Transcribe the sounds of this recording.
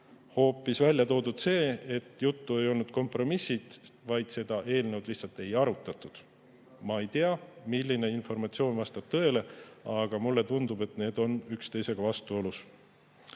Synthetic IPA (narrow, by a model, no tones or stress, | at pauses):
ho̞ːpːˑisvælʲjɑt̪o̞ːd̪ud̪̥se̞ːet̪ːjut̪ːue̞jo̞lnud̪̥̚ko̞mpro̞misːid̪̥vɑjd̪̥se̞d̪̥ɑʔe̞ːlnewd̪̥lih̪sɑlt̪ːˑe̞jɑɾut̪ːˑɑt̪ːˑud̪̥ | mɑe̞jt̪e̞ɑmilʲːine̞info̞rmɑt̪sio̞ːnvɑst̪ɑb̥̚t̪ɤ̞e̞le̞ɑɡ̥ɑmulːe̞t̪und̪̥ube̞t̪ne̞ːd̪̥o̞nykst̪e̞jse̞ɡ̥ɑvɑst̪uo̞lus